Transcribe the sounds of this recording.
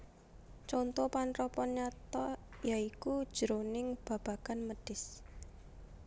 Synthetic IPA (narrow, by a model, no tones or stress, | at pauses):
t͡ʃɔnt̪ɔpanrɔpɔnɲat̪ɔjaikud̥ʒ̥əɾonɪŋb̥a̤b̥a̤kanməɖ̥ɪs